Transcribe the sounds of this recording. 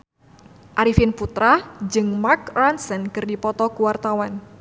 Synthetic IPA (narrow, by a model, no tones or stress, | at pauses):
ʔaɾifɪnput̪ɾad͡ʒɨŋmarkransɛnkɨrdipɔt̪ɔkuwart̪awan